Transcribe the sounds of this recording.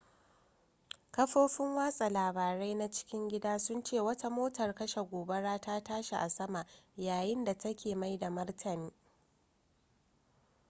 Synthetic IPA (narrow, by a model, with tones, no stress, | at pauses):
kɐ˦ɸoː˦ɸɪ˦ŋwaː˦sʼa˨laː˨baː˨ɾa˦jna˦t͡ʃɪ̥˦kʲɪ˦ŋɡʲɪ˦daː˦sʊ˦nt͡ʃeː˦˨wɐ˦ta˦moː˦tɐ˨rkɐ˦ʃe˨ɡʷoː˨be˦ɽaː˦taː˦taː˦ʃe˨ʔa˨sɐ˦ma˨ʔjaː˨jɪ˦nda˨tɐ˦kʲeː˨ma˦jda˨mɐ˦rtʰɐ˨niː˦